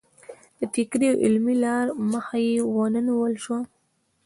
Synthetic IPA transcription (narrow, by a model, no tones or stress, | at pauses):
d̪̥ət̪ɪkɾiawʔɪ̰lmilɑɾməxajewənəniwəlʃwa